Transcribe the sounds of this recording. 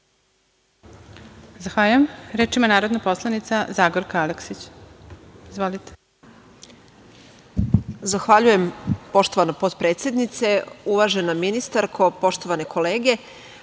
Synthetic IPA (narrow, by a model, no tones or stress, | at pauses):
zaxʋaʎujemɾeːt͡ʃimanaːɾod̪napo̞slˠanit̪sazaːɡoɾkaaleksit͡ɕ | izʋolit̪e̥ | zaxʋaʎuje̞mpo̞ʃt̪o̞ʋanopo̞t̪pɾet̪sjed̪nit̪se̞uʋaʒe̞naminist̪aɾkʰo̞po̞ʃt̪o̞ʋane̞kʰo̞le̞ːɡe̞